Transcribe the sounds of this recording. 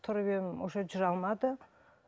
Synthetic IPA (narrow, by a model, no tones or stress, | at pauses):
t̪ʰʊɾbemoʃed͡ʒɪɾɑlˠmɑd̪ə